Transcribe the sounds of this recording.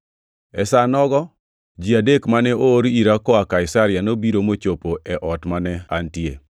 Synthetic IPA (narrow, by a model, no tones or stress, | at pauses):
ɛsanɔɡɔ | d͡ʒiadekmanɛoːɾiɾakɔakaɪsaɾɪjanobiɾomot͡ʃopoʔɛʔɔtmanɛantjḛ